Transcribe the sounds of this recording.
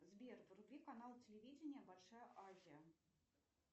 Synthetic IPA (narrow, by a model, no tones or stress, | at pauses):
zbʲervrublʲikanalˠt͡sʲelʲevʲid͡zʲɪnʲɪjɐbalʲʂajəʔazʲijɐ